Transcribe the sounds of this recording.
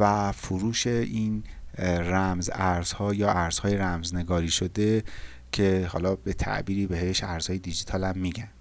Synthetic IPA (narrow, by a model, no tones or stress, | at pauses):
væfoɾuːʃe̞ʔiːn | ɾæmzæɾz̥hɒːjɒːʔæɾz̥hɒːjeɾæmzne̞ɡɒːɾiːʃod̪e̞ | cʰe̞hɒ̰ːlɒːbe̞t̪ʰæ̰ʔbiːɾiːbe̞ɦe̞ʃæɾz̥hɒːje̞d̪id͡ʒit̪ʰɒːlæmːiːɟæn̥